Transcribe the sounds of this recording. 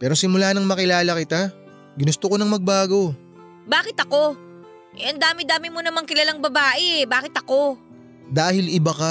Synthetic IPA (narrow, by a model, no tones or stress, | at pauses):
pɛːɾo̞sɪmʊlaːnɐŋmɐkɪlaːlɐkɪt̪a | ɡɪnʊst̪okonɐŋmɐɡ̚baːɡo̞ | baːkɪt̪ɐko̞ | ʔɛʔɐnd̪aːmɪd̪aːmɪmonɐmaŋkɪlɐlaŋbɐbaːʔɛbaːkɪt̪ɐko̞ | d̪aːhɪlɪbakɐ